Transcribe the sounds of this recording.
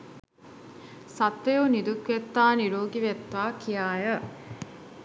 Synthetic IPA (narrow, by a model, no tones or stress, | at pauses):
sɐt̪ːejonid̪ukʋet̪ːaːniɾoːɡiʋet̪ːaːkʰijaːjə